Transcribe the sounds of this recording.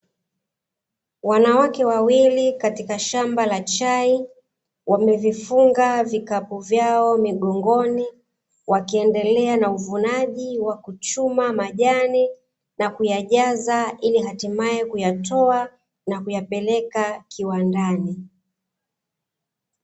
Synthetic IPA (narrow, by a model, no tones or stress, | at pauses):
wanawakɛwawilikatikaʃambalat͡ʃai | wamɛvifuŋɡavikapuvjaɔmiɠɔŋɡɔni | wakiɛndɛlɛanauvunaʄiwakut͡ʃumamaʄani | nakujaʄazailiɦatimajɛkujatɔa | nakujapɛlɛkakʰiwandani